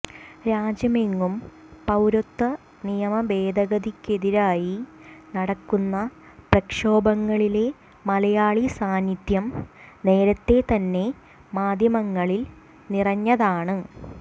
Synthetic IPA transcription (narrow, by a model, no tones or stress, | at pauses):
ɾaːd͡ʑjɐmeŋːum | pɐwɾot̪ːɐ | nijɐmɐbe̞ːd̪ɐɣɐd̪ikːe̞ðiɾaːjinɐɽɐkːunːɐ | prɐkʂo̞ːbɐŋːɐɭile̞ | mɐlɐjaːɭisaːnid̪jɐmne̞ːɾɐt̪ːe̞t̪ɐnːe̞ | maːd̪ʱjɐmɐŋːɐɭil | nirɐɲːɐðaːɳɨ